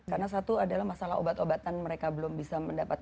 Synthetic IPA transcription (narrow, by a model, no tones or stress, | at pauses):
karnas̬at̪uadalahmasalao̰bat̪obat̪anməɾekabəlʊmbisaməndapat̪̚